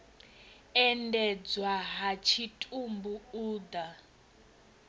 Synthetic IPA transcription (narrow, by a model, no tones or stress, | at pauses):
ɛndɛd͡zwaɦat͡ʃʰitʼumbuuːd̪a